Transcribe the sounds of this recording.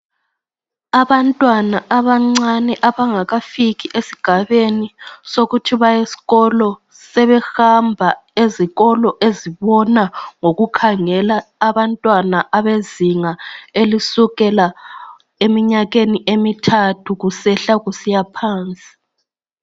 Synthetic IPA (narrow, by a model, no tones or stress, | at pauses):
aβantʼwanaʔaβaŋ͡ǀanɛʔaβaŋaɣafiɣiʔesi̥ɡ̥ʱaβenisoɣutʰiβajesi̥ɣɔlɔ | sɛβɛxambʱaeziɣɔlɔʔeziβɔnaŋoɣukʰaŋɛlaːβantʼwanaʔaβeziŋaelisuɣɛla | emiɲaɣeniʔemitʰatʰuɣusɛɬaɣusijapʰaːnt͡sʼi̥